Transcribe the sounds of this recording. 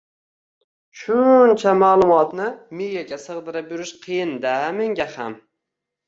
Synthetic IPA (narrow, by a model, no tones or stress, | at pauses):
ʃʊnt͡ʃʰamaːlˠʊmɒt̪nɪmɪjaɡʲasɨʁd̪ɪɾapjʊɾɪʃqʰɨjɪnd̪ameŋɡʲaha̰m